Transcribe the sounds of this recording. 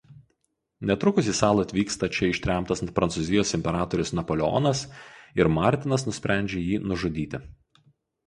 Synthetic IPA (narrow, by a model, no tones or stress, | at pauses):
nʲɛt̪ɾʊkʊsʲiːsɑːlˠɐt̪ʲʋʲiːkst̪ɐt͡ʃʲɛɪʃʲt̪ʲɾʲæˑmt̪ɐspɾɐnsʊzʲɪjoːsɪmʲpʲɛɾɑːt̪ɔɾʲʊsnɐpoːlʲɛɔ̰ːnɐsɪɾmɑˑɾʲt̪ʲɪnɐs̬nʊsʲpʲɾʲæˑnʲd͡ʒʲejiːnʊʒʊd̪ʲiːt̪ʲɪ